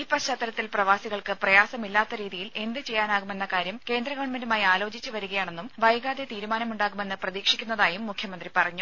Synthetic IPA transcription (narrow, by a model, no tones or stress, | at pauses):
iːpɐɕaːt̪ːɐlɐt̪ːilprɐʋaːsiɣɐɭkɨprɐjaːsɐmilːaːt̪ːɐɾiːðijile̞nd̪ɨt͡ɕe̞jːaːnaːɣume̞nːɐkaːɾjɐmke̞ːnd̪rɐɣɐʋɐɳme̞ndumaːjiaːlo̞ːt͡ɕit͡ɕːuʋɐɾuɣɐjaːɳe̞nːumʋɐjɡaːd̪et̪iːɾumaːnɐmuɳɖaːɣume̞nːɨprɐðiːkʂikʲːunːɐðaːjumːukʰjɐmɐnd̪ripɐrɐɲːu